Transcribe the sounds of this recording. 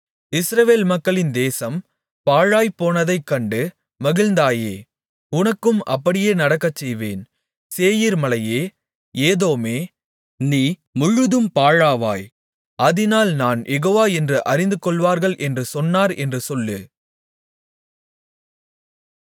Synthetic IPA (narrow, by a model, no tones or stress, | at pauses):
ɪsɾɐʋeːlmɐkːɐɭɪnd̪eːsɐm | paːɻaːjpoːnɐðɐɪkːɐɳɖɯ | mɐɣɪlnd̪aːjeː | ʊnɐkːɯmʔɐ̰pːɐɽɪjeːnɐɽɐkːɐt͡ʃːɛjʋḛːn | seːjiɾmɐlɐjeː | eːðoːmeː | niːmʊɻːɯðɯmpaːɻaːʋaːj | ʔɐðɪnaːlnaːnjʔɛɣoːʋaːɛndrɯʔɐɾɪnd̪ɯkːɔɭʋaːɾɣɐɭʔɛndrɯsɔnːaːɾɛndrɯsɔlːɯ